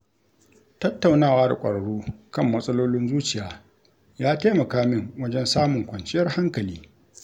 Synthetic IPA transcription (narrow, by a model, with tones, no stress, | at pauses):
tɐ˦tːa˨wnaː˦˨waː˦da̰˨kʷʼɐ̰˨ɽɐ˨ɽuː˦kɐ˦˨mːɐ˦sʼɐ˦loː˦lɪ˦nzuː˦t͡ʃɪ˨jaː˨ | jaː˦taː˦mɐ˨kaː˦mɪ˦˨ŋwɐ˦d͡ʒɛ˦nsaː˦mʊ˨ŋkʷɐ˨nt͡ʃʼɪ˦jɐ˦rha˦ŋkɐ˨liː˦